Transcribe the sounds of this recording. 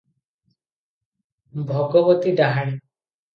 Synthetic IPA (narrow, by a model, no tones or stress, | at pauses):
bʱɔɡɔbɔt̪id̪aɦaɽ̃i